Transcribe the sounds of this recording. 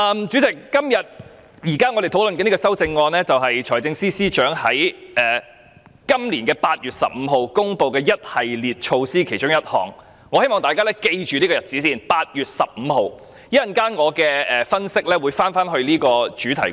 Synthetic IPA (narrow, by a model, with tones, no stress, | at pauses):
ɐ˧mt͡ʃyː˨˥t͡sɪ˨˩kːɐ˥mjɐ˨t̚ | jiː˨˩kaː˥ŋɔː˨˧ɾe˨jt̪ʰwlɵ˨nkɛː˧iː˥kɔ˧sɐ˥wt͡sɪ˧ŋːɔː˧nlɛː˥t͡sɐ˨wɦɐ˨jt͡ʃʰɔː˨˩jt͡sɪ˧ŋsiː˥siː˥t͡ʃœː˨˥ŋhɐ˨˥jʔɛː˨˩ | kɐ˥mliː˨˩nkɛː˧paː˧t̚jyː˨t̚sɐ̰˨p̚m̩˨˧ɦo˨wkʊ˥ŋpo˨˧wkɛː˧jɐ˥t̚hɐ˨jliː˨˩t̚t͡ʃʰo˧wsiː˥kʰe˨˩jt͡ʃʊ˥ŋjɐ˥t̚hɔ̰ː˨˩ŋː | ɔː˨˧he˥jmɔː˨ŋt̪aː˨jkaː˥lɛː˥ke˧jt͡ʃyː˨liː˥kɔː˧jɐ˨˩t̚t͡siː˨˥siː˥˩npaː˧t̚jyː˨t̚sɐ˨p̚m̩˨˧ho˨w | ji˥jɐ˨nkaː˥nŋɔː˨˧kɛː˧ʔɛː˨fɐ˥nsɪ˥k̚lɛː˥wuː˨˧˥jfaː˥nfaː˥nɦɵ˧ɥliː˥kɔː˧t͡ʃyː˨˥t̪ʰɐ˨˩j